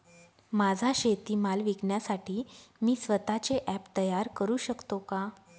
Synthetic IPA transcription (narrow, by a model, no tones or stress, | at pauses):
mad͡zʱaɕet̪iːmalʋikɳjasaʈʰiːmiːsʋət̪at͡seʔɛpt̪əjaɾkəɾuːɕəkt̪oka